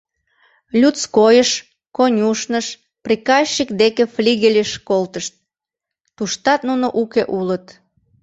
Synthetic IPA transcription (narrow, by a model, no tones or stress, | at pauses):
lʲutt͡skojəʃ | konʲuʃnəʃ | prikɑɕːikd̪ekeflʲiɣelʲəʃkolt̪əʃt̪̚ː | uʃt̪ɑt̪nunoʔukeʔulət̪